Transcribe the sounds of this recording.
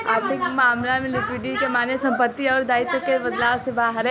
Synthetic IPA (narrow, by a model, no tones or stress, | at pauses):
aɾt̪ʰɪkmaːmlamẽlɪpɪʈikemaːnesɐ̃mpət̪ːiɔːɾd̪aːɪt̪okebɐd̪laːʋsebaːɦəɾ